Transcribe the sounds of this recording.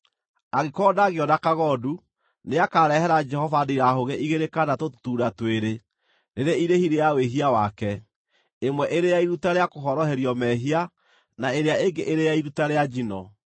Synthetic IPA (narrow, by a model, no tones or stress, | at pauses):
aɣekɔdaːɣeɔnakaɣɔdu | neakaɾɛhɛɾad͡ʒɛhɔvadeiɾaɦoɣeʔiɣeɾekanatotu̥tuːɾatweɾe | neɾeiɾehiɾejaweɦiawakɛ | emwɛʔeɾejaiɾutaɾeakoɦɔɾɔɦeɾjɔmɛɦia | naeɾeaeŋɡeʔeɾejaiɾutaɾead͡ʒinɔ